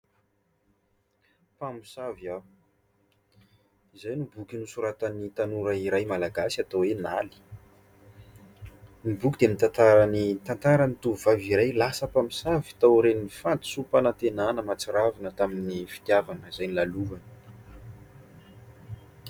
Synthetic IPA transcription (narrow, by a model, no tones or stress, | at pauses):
pami̥sava | izajnubukʲinusuɾat̪anit̪anuɾəiɾajmalaɡasat̪owenali̥ | nibukʲid̪emit̪ant̪aɾanit̪ant̪aɾənit̪uvuvaviɾajlasəpami̥savi̥t̪awɾeninifant̪u̥supanat̪enanəmat͡siɾavanət̪aminifi̥t̪javanəizajnilaluvanə̥